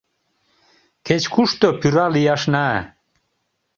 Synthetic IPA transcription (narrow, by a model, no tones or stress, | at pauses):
kʰet͡ɕkʰuʂt̪opʰyɾalijaʂnaɛ̰